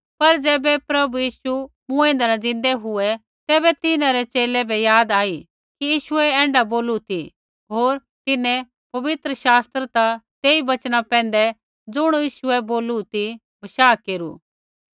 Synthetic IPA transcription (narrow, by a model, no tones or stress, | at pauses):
pɐɾd͡zɛːbɛpɾɐbujiːʃu | mũɛ̃ːnd̪anad͡zɪ̃nd̪ɛɦʊɛ | t̪ɛːbɛt̪ɪnãɾɛt͡ʃeːlɛbʱɛjaːd̪aːi | kijiːʃʊɛɛ̃ːɳɖaboːlut̪i | ɦoːɾ | t̪ɪnɛ̃ | pɐʋɪt̪ɾəʃaːst̪ɾət̪at̪eːiʋɐt͡ʃnapɛ̃ːnd̪ɛ | d͡zʊɽ̃jiːʃʊɛboːlut̪i | bʱɐʃaːkeːɾṵ